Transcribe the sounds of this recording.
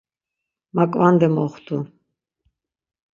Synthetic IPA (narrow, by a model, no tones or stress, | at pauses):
makʼvand̪ɛmɔχt̪ʰʼu